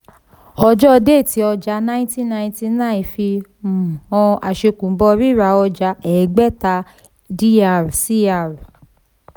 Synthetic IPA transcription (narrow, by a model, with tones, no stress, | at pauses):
ɔ˧d͡ʒɔ˦˧de˦˨ti˨˦ɔ˧d͡ʒa˧˦nã˦ĩ˦ti˦nã˧ĩ˦ti˦nã˦˨ĩ˨fi˧m̩˨ɔ̃˧a˨ʃe˧kũ˨˦bɔ˧ɾi˦˨ɾa˧ɔ˧d͡ʒa˧˦ɛ˨˦ɡ͡bɛ˦ta˧ | di˦a˧˨ɾsi˦a˧˨ɾ